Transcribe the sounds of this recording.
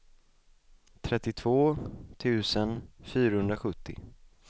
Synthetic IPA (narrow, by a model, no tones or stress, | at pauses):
t̪ʰɾɛt̪ːɪt̪ʰv̥oːt̪ʰʉ̟ːsənfyːɾahɵnd̪ɾaɧɵt̪ʰːɪ̰